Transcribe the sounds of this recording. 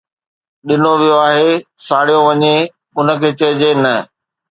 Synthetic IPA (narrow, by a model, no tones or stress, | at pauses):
ɗɪnoʋijoaːɦesaːɽ̤ijoʋɐɲe | ʊnə̆kʰeːt͡ɕɐəd͡ʑenɐ